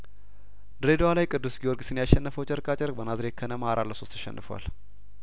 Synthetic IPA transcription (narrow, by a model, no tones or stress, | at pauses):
d̪ɾed̪owalajkʼɨd̪ːusɡijoɾɡʼsɨnjaʃːɛnːəfəwt͡ʃʼəɾkʼat͡ʃʼəɾbənazɾekʰːənəmaaɾʔalːəso̞st̪ʰəʃɛ̰nːɨfwa̰l